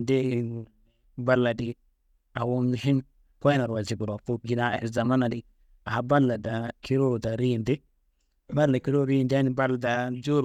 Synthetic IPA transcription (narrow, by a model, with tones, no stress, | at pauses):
nde˦i˨ŋu˨ | ba˦lːa˨di˦ | a˨wo˦mi˨hi˦n | ko˦jna˨ɾwa˨zi˨bu˨ɾo˨fu˦ɡi˨na˦ḛ˨za˨ma˦na˨di˨ | a˨a˨ba˦lːa˨da˨kʰi˦ɾo˦˨da˨ɾi˦˨ndi˦ | ba˦la˨ki˦ɾo˦˨ɾi˦˨nda˦ni˨ba˦la˨da˨d͡ʒu˦ɾ